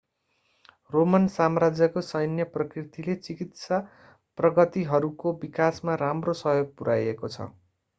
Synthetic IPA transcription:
romʌnsamrad͡zjʌkosʌjnjʌprʌkrit̪ilet͡sikit̪sa | prʌɡʌt̪iɦʌɾukobikasmaɾamrosʌɦjoɡ̚puɾajekot͡sʰʌ̰

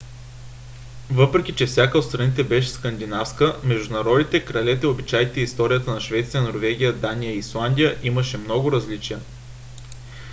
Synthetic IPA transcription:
vɤpɾɛkʲit͡ʃɛfsʲjakəot̪st̪ɾɐnit̪ɛbɛʃ̬ɛ̥skɐnd̪inafskəmɛʒd̪ʊnɐɾɔd̪it̪ɛkɾɐlɛt̪ɛobit͡ʃajt̪ɛist̪ɔɾijət̪ənɐʃvɛt̪sijənoɾvɛɡ̟ʲijəd̪anijəislˠand̪ʲijəʔiməʃɛmnɔɡʊɾɐzlit͡ʃiə

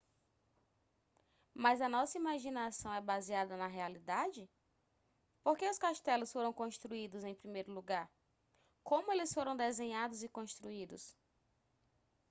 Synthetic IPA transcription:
mɐzɐnɔsɐimaʒinasɐ̃w̃ɛbaziad̪ɐnɐɦealid̪ad͡ʒɪ | poɾkeʊskaʃt̪ɛlʊsfoɾɐ̃w̃kõʃt̪ɾuid̪ʊzẽj̃pɾimejɾʊluɡaɾ | kõmʊelɪsfoɾɐ̃w̃d̪ezẽɲad̪ʊzikõʃt̪ɾuid̪ʊ̰s

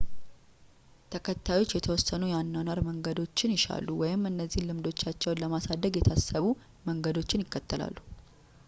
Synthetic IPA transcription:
t̪ʰəkʰət̪ʰːajo̞t͡ʃːjɛt̪ʰəwɔsːənujanːanaɾməŋɡəd̪o̞t͡ʃːɪnjɪʃa̰lːuwɔjɪmɨnːəzːihlɨmd̪o̞t͡ʃːat͡ʃːɛwnləmasad̪əɡjɛt̪ʰasːəβu | məŋɡəd̪o̞t͡ʃːɪnjɪkːət̪ʰːəla̰lːu

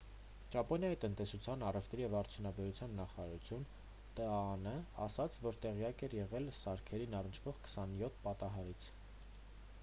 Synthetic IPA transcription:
t͡ʃɑpɔnjɑjit̪ənt̪ɛsut͡sʰjɑnɑrɛft̪ʰɾijɛvɑɾt͡sʰjunɑbɛɾut͡sʰjɑnːɑχɑɾɑɾut͡sʰjun | t̪əɑnəɑ̰sɑt͡sʰvɔɾt̪ɛʁijɑkɛɾjɛʁɛlsɑɾkʰɛɾinɑrənt͡ʃʰv̥ɔʁkʰə̥sɑnjɔt̪ʰːpɑt̪ɑɦɑɾit͡sʰ

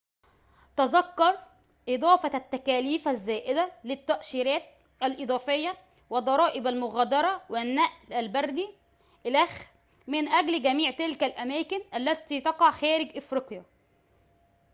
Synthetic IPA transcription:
t̪ɑzɑkːɑɾˤ | ʔed̪ˤɑːfɑt̪ːækæːliːfæzːæːʔɪd̪ælɪt̪ːæʔʃiːɾæːt̪̚ | ʔælʔed̪ˤɑːfejːɑ | wɪd̪ˤɑɾˤɑːʔɪbælmʊɣæːd̪ɑɾˤɑwɪnːæʔlælbærbi | ʔɪlæx | mɪnʔæɡlɡæmiːʕt̪ɪlkælʔæmæːkɪnʔælːæt̪iːt̪ɑqɑʕxæːɾɪɡʔɪfɾiqjæ

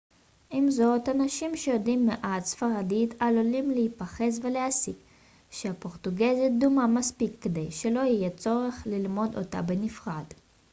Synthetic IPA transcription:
ʔimzo̞t̪anaʃimʃejodimːeʔatsfaʁadit̪ʰalolimlehipaχe̞s̬veleasik | ʃeapo̞ʁt̪uɡezid̪umamaspikːed̪ejʃelo̞ijet͡so̞ʁeχlilmo̞d̪o̰t̪a̰benifʁad̥

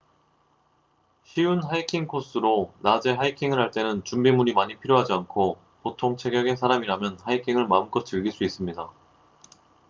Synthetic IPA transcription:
ɕʰiunɦaikʰiŋkʰos͈ɯɾonad͡ʑe̞ɦaikʰiŋɯɭɦaɭt͈e̞nɯnt͡ɕumbimuɲimaɲipʰiɾjoɦad͡ʑiankʰo | potʰoŋt͡ɕʰe̞ɡjʌɡe̞sʰaɾamiɾamjʌnhaikʰiŋɯɭmaɯnkʌt̚t͡ɕɯɭɡiɭs͈uis͈ɯmɲida

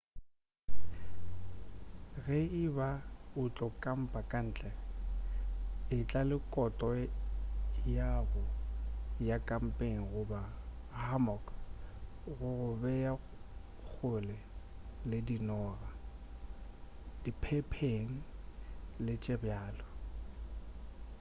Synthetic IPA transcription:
ɣɛɪbaʊt͡ɬʼɔkʼam̩pʼakʼan̩ːt͡ɬʼɛ | ɪt͡ɬʼalɪkʼɔtʼɔ | jaɣʊ | jakʼam̩pʼeŋ̩ɣʊba | hamɔk | ɣʊɣʊbɛja | k͡xʰʊlɛlɪdinɔːɣa | d̥ipʰɛpʰeŋ̩ | lɪt͡ʃʼɛbjaːlɔ

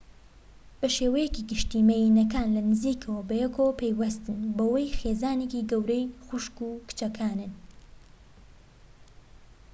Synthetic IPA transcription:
bɐʃeːwɐjɛciɡɨʃt̪iːmejinɐkaːnlɐnɨziːkʰɐwɐbɐjɛkʰopʰejwɐst̪ɨnbɐwɐjxeːzaːnekiɡɐwɾejxʊʃkuːkɨ̥t͡ʃɐkʰaːnɨn

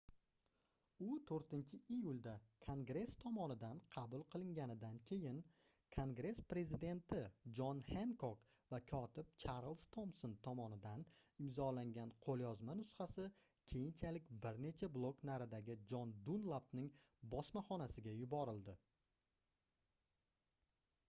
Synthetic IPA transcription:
ʊt̪ʰoɾt̪ɪnt͡ʃʰɪijulˠd̪akʰoŋɡɾe̞st̪ʰɒmɒnɪd̪anqʰɑbʊlˠqʰɨlˠɪŋɡʲanɪd̪ankʲʰe̞jɪn | kʰoŋɡɾe̞spɾe̞zɪd̪e̞nt̪ʰɪd͡ʒɒnhe̞ŋkok | vakʲʰɒt̪ʰɪp̚t͡ʃʰaɾlˠst̪ʰomsont̪ʰɒmɒnɪd̪anɪmzɒlaŋɡʲanqʰolˠjɒzmanʊsχasɪ | kʲʰe̞jɪnt͡ʃʰalɪkʲbɪɾne̞t͡ʃʰablˠo̞knaɾɪd̪aɡʲɪd͡ʒɒnd̪unlˠapnɪŋbɒsmaχɒnasɪɡʲajʊbɒɾɪlˠd̪ɪ

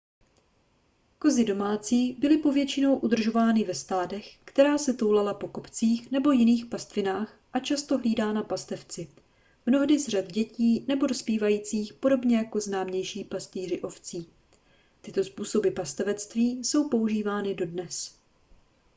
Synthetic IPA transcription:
ko̞zɪdo̞maːt͡siːbɪlɪpo̞vjɛt͡ʃɪno̞wʔud̪r̩ʒo̞vaːnɪvɛst̪aːdɛxkt̪ɛɾaːsɛt̪owlalapo̞ko̞pt͡siːxnɛbo̞jɪniːxpast̪vɪnaːx | ʔat͡ʃast̪o̞ɦliːdaːnapast̪ɛft͡sɪ | mno̞ɦdɪzr̝ad̪ɟɛciːnɛbo̞dɾospiːvajiːt͡siːxpo̞ɾo̞bɲɛjako̞znaːmɲɛjʃiːpast̪iːrɪʔo̞ft͡siː | t̪ɪt̪o̞spuːso̞bɪpast̪ɛvɛt͡st̪viːso̞wpo̞uʒiːvaːnɪdo̞dnɛs

